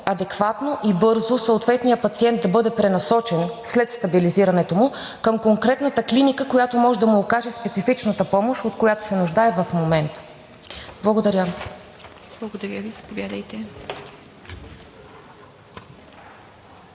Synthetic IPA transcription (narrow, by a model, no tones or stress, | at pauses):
ɐd̪ɛkvat̪noʔibɤɾzosoot̪vɛt̪nijəpɐt̪siɛnd̪d̪ɐbɤd̪ɛpɾɛnɐsɔt͡ʃɛnslɛt̪st̪ɐbiliziɾɐnɛt̪omʊ | kəmkoŋkɾɛt̪nət̪əklinikəkojat̪omɔʒɛd̪ɐmʊːkaʒɛspɛt̪sifit͡ʃnət̪əpɔmoʃot̪kojat̪o̥sɛnʊʒd̪aɛvɐfmomɛnt̪ | blˠɐɡod̪ɐɾʲə | blˠɐɡod̪ɐɾʲjəvizɐpovʲjad̪ɐjt̪ɛ